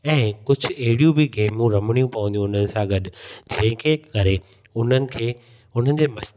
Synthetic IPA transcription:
ɛ̃ːkʊd͡ʑʱʊ̆ɐɦɪɽijũbɪɡeːmũɾɐmɪɽ̃ijũpɐʋə̃nd̪ijũːʊn̤ənɪ̆sãɡɐɗd͡ʑɐ̃ɦɪ̃kʰeːkɐɾe | ʊn̤ənɪ̆kʰeː | ʊn̤ənɪ̆d͡ʑeːmɐs

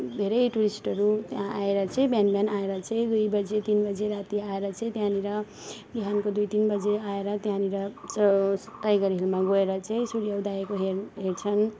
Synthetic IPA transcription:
d̪ʱeɾʌjʈuɾisʈʌɾut̪jãaeɾʌt͡sʰʌ̃ĩbjanbjanaeɾʌt͡sʰʌ̃j̃d̪ujbʌd͡zet̪inbʌd͡zeɾat̪iaeɾʌt͡sʰʌ̃j̃t̪jãniɾʌ | biɦankod̪ujt̪inbʌd͡zeaeɾʌt̪jãniɾʌ | ʈajɡʌɾɦilmaɡoeɾʌt͡sʰʌ̃ĩsuɽijʌwd̪aekoɦeɦeʈt͡sʰʌn

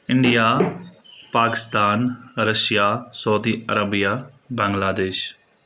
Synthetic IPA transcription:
ɪ̃ɳɖijaː | paːkɪ̥st̪aːnɾɐʃjasɔːd̪iːɐɾəbija | bɐ̃ŋɡlaːd̪eːʃ

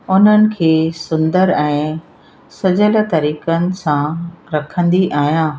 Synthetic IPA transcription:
ʊn̤ənɪ̆kʰeːsʊ̃nd̪əɾɛ̃ː | sɐd͡ʑəl̆t̪ɐɾiːkənɪ̆sãɾɐkʰə̃nd̪iʔaːɦijãː

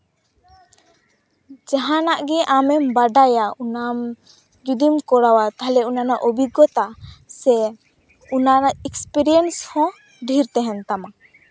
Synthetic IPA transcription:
d͡ʒaɦanaʔɡɛʔamɛmbaɖajaunam | d͡ʒud̪imkɔɽawat̪aɦalɛunanaʔɔbiɡɔt̪asɛ | unanaɛkspiɾijɛnshɔ̃ | ɖʱiɾt̪ɛɦɛnt̪ama

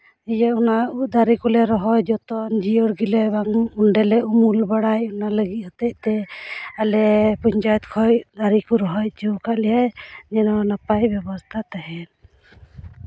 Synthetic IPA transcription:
ɛjaunaud̪aɾikulɛɾɔɦɔjd͡ʒɔt̪ɔnd͡ʒiɔɾɡilɛbaŋuɳɖɛlɛʔumulbaɽajɔnaləɡit̪̚hɔt̪ɛc̚t̪ɛalɛpɔɲt͡ʃajɔt̪kʰɔjd̪aɾikuɾɔɦɔjt͡ʃɛwkaʔlɛjajɲɛnɔnapajbɛbɔst̪ʰat̪aɦɛn

